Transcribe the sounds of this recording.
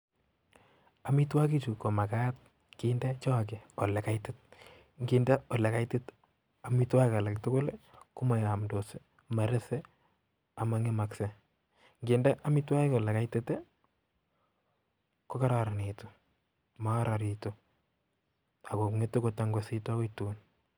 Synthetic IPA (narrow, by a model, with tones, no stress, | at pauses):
a˨mi˦t̬wa˦ki˦t͡ʃu˨ko˨ma˨ka˦at̚ | ki˦ndɛ˦t͡ʃɔ˦k̬ɪ˨ɔ˨lɛ˨ka˦itɪt̚ | ŋɡi˨ndɛ˦ɔ˨le˨ka˦itɪ˦t | a˨mi˦twa˦ka˨la˨ktʊ˦ko˦leku˦ma˨ja˨mdo˨se˦ | ma˨ɾe˦sɛ˦ | a˨ma˨ŋe˦ma˨kse | ŋɡindɛ˦ʔa˦mi˦twa˦e˦kɔ˨lɛ˨ka˦ɪtɪ˦te˦ | ko˦ka˦ɾaɾa˨ni˨to˨ | maa˦ɾa˨ɾi˨to | a˨ko˨kŋe˦to˦ko˨ta˦ŋɡosi˦ta˦wo˦tun